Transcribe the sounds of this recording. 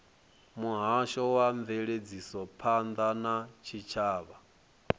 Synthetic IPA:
muɦaʃɔwaɱveɺed͡zisɔpʰand̪anat͡ʃʰit͡ʃʰaːβa

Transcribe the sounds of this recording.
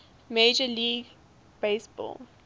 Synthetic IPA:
meːd͡ʒəliːɡ | b̥eɪsb̥ɔ̰ːl

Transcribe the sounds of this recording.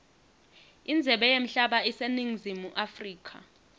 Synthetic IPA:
ind͡zʱɛɓɛjem̩ɬaɓaiseniŋ̩zimuʔafriːkʰa̰

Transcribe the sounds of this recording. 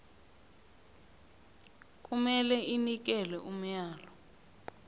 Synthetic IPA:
k̬ʼumɛlɛʔinik̬ɛlɛʔum̩jaːlɔ

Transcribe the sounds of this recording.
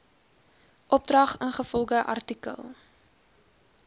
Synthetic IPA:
ʔɔp̚drɐχənχəfɔlˠɡəʔɐ̰rtikə̰lˠ

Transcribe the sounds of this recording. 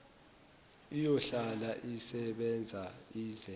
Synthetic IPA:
ijɔɬalaʔisɛɓɛnd͡zʱaiːɮɛ

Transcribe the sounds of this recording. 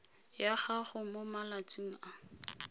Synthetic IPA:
jaχaχʊmomalat͡sʼiŋ̩a

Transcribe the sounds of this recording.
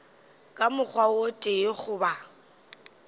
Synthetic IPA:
kʼamʊk͡xʰwaotʼeχʊba

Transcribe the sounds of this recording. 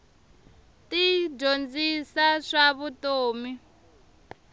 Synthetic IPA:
tid͡ʒond͡zisaʂaβutoːmi

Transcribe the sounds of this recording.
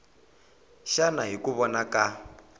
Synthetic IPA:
ʃanaɦikuβɔnaka

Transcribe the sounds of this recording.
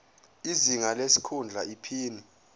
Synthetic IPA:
iziŋalesi̥kʰund͡ɮʱaipʰiːni

